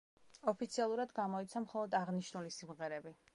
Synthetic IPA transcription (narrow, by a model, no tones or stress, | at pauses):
ɔpʰit̪sʰialˠuɾad̪ɡamɔit̪sʰamχɔlˠɔd̪aʁniʃnulisimʁɛɾɛbi